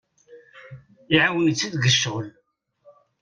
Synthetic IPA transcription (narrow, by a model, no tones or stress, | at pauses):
iʕawijət͡sːiðɡəʃːʁəl